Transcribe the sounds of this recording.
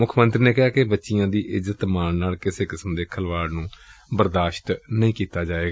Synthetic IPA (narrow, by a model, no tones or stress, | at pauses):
mʊkʰmənt̪ɾiːneːkɛɦaːkɪbətːʃɪjãːd̪iːʔɪzət̪maːnnaːlkɪseːkɪsəmd̪eːkʰəlʋaːɽnũːbəɾd̪aːʃt̪nəĩːkiːt̪aːd͡ʒaːeːɡaː